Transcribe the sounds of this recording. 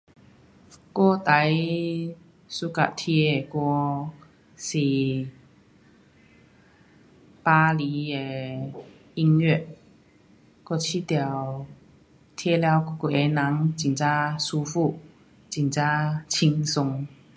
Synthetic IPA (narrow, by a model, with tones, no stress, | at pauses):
kɔ˥˧˩t̪a˨˦j | su˧ka̰˨t̪ʰi˧e˨˩kɔ˧ | si˨˩ | pa˧li˨˦e˧ | i˧ŋɥɛ˥˩˨t̚ | kɔ˥˧t͡ɕʰi˧˦t̪ja˨˩w | t̪ʰɛ˧˥lja˧wkku˨˩e˨˧˦na˨˦ŋt͡ɕi˨˩nt͡ɕa˦˥su˧fu˥˧˨ | t͡ɕi˨˩ŋt͡ɕa˦˥t͡ɕʰi˧ŋsʊ˧ŋ